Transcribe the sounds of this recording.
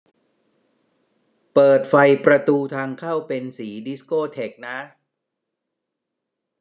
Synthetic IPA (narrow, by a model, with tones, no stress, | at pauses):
pɤː˨˩t̪̚fa˧jpɾa˧t̪uː˧t̪ʰaː˧ŋkʰaː˥˩wpe˧nsiː˩˦di˦˥skoː˥˩t̪ʰe˨˩k̚na˦˥